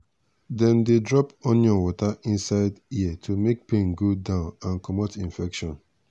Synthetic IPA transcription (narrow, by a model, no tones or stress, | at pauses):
dɛ̃ndedɹɔpɔ̃njɔ̃nwɔtaʔĩnsaɪditʰumek̚pẽnɡodãʊ̃nãnkɔmɔtĩnfɛkʃɔ̃n